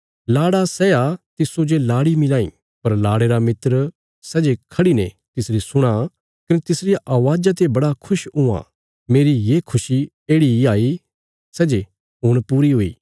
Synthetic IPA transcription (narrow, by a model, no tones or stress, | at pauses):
laːɽasɛːat̪ɪsod͡ʒelaːɽimɪlaːḭ̃ː | pɐɾlaːɽeɾamɪt̪ɾ | sɛːd͡ʒekʰɐɽinḛ̃ | t̪ɪsɾisʊɽ̃a | kɐnet̪ɪsɾɪjaʔaːʋaːd͡ʒat̪̬ebɐɽakʰʊʃʊã̰ | meːɾijeːkʰʊsi | eːɽiaːi | sɛːd͡ʒe | ɦʊɽ̃puːɾiɦoːḭː